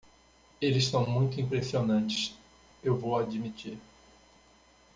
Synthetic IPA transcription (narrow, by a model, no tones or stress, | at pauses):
elɪssɐ̃w̃mũj̃t̪ʊĩpɾesionɐ̃nt͡ʃɪ̥s | ewvowad͡ʒimit͡ʃiɾ